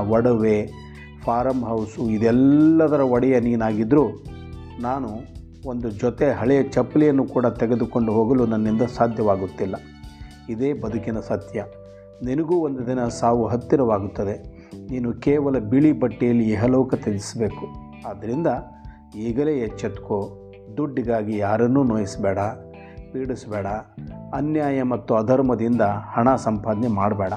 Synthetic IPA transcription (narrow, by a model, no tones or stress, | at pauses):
ɐɽɐʋe | pʰaːɾɐmɦɐwsuid̪ɛlːɐd̪ɐɾɐʋɐɽɛjɐniːnaːɡid̪ɾuː | naːnu | ond̪ud͡ʒɔt̪eɦɐɭɛjɐt͡ʃɐpːlijɐnːukuːɽɐt̪ɛɡe̞d̪uko̞ɳɖuɦoːɡɐlunɐnːind̪ɐsaːd̪ʱjɐʋaːɡut̪ːilːɐ | id̪eːbɐd̪ʱukinɐsɐt̪jɐ | ninɐɡuːond̪ud̪inɐsaːʋuɦɐt̪ːiɾɐʋaːɡut̪ːɐd̪e̞ | niːnukɛːʋɐlɐbiɭibɐʈːijɐlːiɛɦɐlɔːkɐt̪ed̪isbe̞ːku | aːd̪ɐɾind̪ɐ | iːɡɐleːɦɛt͡ʃːɐt̪ko | d̪uɖːiɡaːɡijaːɾɐnːuːnoːjisɐbɛːɽɐ | piːɽisɐbɛːɽɐɐnjaːjɐmɐt̪ːuɐd̪ʱɐɾmɐd̪ind̪ɐhɐɳasɐmpaːd̪ɐnɛmaːɽɐbɛːɽɐ